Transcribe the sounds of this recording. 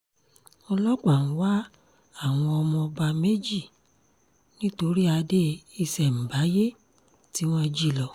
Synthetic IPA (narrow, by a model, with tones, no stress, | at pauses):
ɔ˧lɔ˦k͡pa˨nũ˨˦wa˦ | a˦˨w̃ɔ̃˧ɔ˧mɔ̃˧ba˧me˦d͡ʒi˦˨ | nĩ˦to˧ɾi˦a˧de˦i˧sɛ˨m̩˨ba˨˦je˦ | ti˨˦w̃ɔ̃˦d͡ʒi˦˨lɔ˨